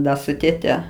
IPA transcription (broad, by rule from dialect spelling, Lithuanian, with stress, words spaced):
ˈdɐ sʊ tʲeːˈtʲɛ